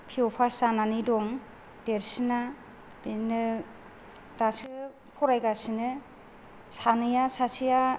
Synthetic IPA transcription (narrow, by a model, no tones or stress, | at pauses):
pʰiɔpʰasananidɔŋ | d̥eɾsina | binɯ | dasɯ | pʰɔɾajɡasinɯ | sanɯjasasʰija